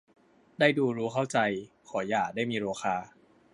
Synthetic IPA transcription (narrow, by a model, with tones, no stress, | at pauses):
daː˥˩jduː˧ɾuː˦˥kʰa˥˩wt͡ɕa˧jkʰɔː˩˦jaː˨˩k̚daː˥˩jmiː˧ɾoː˧xʰaː˧